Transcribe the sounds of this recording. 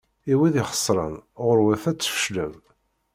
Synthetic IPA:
iwiðɪχə̥sˤːɾˤə̰nʁʊɾwæθæt͡sːə̥fə̥ʃləm

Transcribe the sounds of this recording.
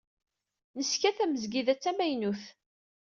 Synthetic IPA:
nəskæθæməzɡiðæt͡sːæmæjnuθ

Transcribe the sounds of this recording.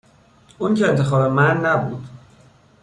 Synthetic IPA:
uːncʰeːnt̪ʰe̞xɒːbemænːæbuːd̪̥

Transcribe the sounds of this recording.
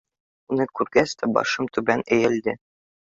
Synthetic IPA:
unɤkʉɾɡæst̪æbɒ̰ʃɤmt̪ʉbænæ̆jɘ̆ld̪ɘ

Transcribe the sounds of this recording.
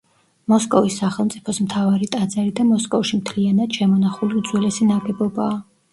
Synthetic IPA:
mɔskʼɔvisːaχɛlˠmt̪sʼipʰɔsmt̪ʰavaɾit̪ʼad̪zɛɾid̪amɔskʼɔfʃimt̪ʰlianad̪̥ʃɛmɔnaχuliud̪zwɛlɛsinaɡɛbɔbaː

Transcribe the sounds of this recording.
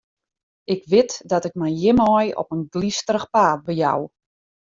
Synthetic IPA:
ɪkʋɪtdɔtɪk̚mɛjjɪmɔjɔ̰pənɡlistəɾəxpaːt̚bəja̰w

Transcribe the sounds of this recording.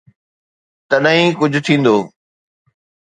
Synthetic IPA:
t̪ɐɗɦĩːkʊd͡ʑʱʊ̆t̪ʰĩːn̆d̪oː

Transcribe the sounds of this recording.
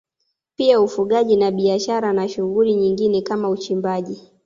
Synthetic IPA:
piaufuɠaʄinaɓiaʃaɾanaʃuɣuliɲiŋɡinɛkamaut͡ʃimbaʄi

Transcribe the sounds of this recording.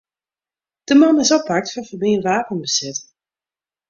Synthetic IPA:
d̥əmɑnɪsɔpak̚tfɔnfəbɪənʋaːpənbəsɪt

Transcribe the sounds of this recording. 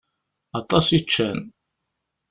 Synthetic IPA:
ɑt̪ˤɑsit͡ʃːæn

